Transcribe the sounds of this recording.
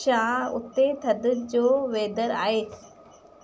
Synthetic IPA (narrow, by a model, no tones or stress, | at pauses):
ʃaːʊ̰t̪ːet̪ʰɐd̪d͡ʑoːʋeːd̪əɾa̰ːet̪ʰ